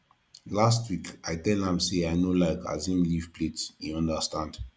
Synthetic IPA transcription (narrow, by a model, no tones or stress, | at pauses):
lastwikajtɛldãmseajnolaɪka̰zĩmlivpletiɔ̃ndəstãnd̥